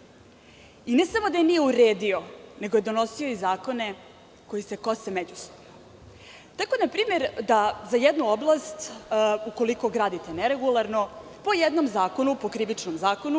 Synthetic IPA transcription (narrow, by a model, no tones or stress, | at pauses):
inesamo̞d̪ajenije̞uɾeːd̪io̞ne̞ɡo̞jed̪o̞no̞sio̞izaːko̞ne̞ | ko̞jise̞kosemed͡ʑusobno | t̪akoenapɾiːme̞ɾd̪azajɛd̪nuoblˠast̪uko̞liko̞ɡɾaːd̪it̪e̞neɾe̞ɡulˠaɾno̞ | po̞jed̪no̞mzaːko̞nupo̞kɾiʋit͡ʂnomzaːko̞nu